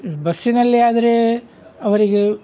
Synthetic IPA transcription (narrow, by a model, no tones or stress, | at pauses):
bɐsːinɐlːiaːd̪ɐɾe | ɐʋɐɾiɡe